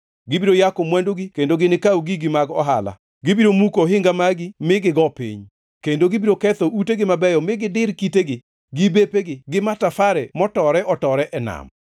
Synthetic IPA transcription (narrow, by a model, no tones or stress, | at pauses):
ɡɪbiɾojakomwandoɡikendoɡɪnɪkawɡiɡɪmaɡɔ̰ɦala̰ | ɡɪbiɾomukoɦɪŋɡamaɡimɪɡɪɡɔpḭɲ | kendoɡɪbiɾokɛt̪ɔʔuteɡɪmabɛjɔmɪɡɪdɪɾkiteɡɪ | ɡɪbepeɡɪɡɪmatafaɾɛmɔtɔɾɛʔɔtɔɾɛʔɛna̰m